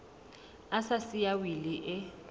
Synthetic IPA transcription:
asasijawiliʔɪ

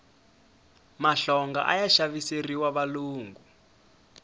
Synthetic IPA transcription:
maɬɔŋɡa̰ʔa̰jaʃaβiseriwaβaluːŋɡu

